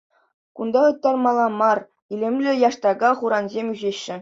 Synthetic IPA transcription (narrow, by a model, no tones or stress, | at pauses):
kund̪ɑʁɤ̆t̪ːɑrmɑlˠɑmɑr | ilʲĕmʲlʲɘ̆jɑʂt̪ɑɡɑχuɾɑnzʲemʲyʑeɕːɘ̆